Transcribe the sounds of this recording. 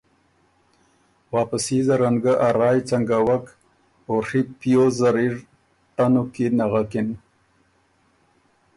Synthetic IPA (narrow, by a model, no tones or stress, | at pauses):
wɑːpasizaɾaŋɡaʔaɾɑːjt͡saŋɡawak | oripjozaɾiɾ | t̪anokinaɣakɪn